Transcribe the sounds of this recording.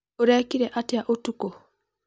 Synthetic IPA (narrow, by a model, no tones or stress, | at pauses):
oɾakiɾɛʔatjaʔotuko